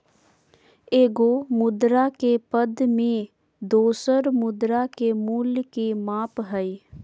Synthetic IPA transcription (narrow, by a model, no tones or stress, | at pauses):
eːɡomʊd̪ɾakepəd̪mẽ | d̪oːsəɾmʊd̪ɾakemuːlkemaːpɦəi